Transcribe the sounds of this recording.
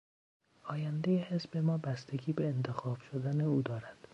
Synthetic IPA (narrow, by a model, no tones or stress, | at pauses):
ɒːjænd̪ejehezbe̞mɒːbæst̪e̞ɡʲiːbeːnt̪ʰe̞xɒːb̥ʃod̪æne̞uːd̪ɒːɾæd̪̥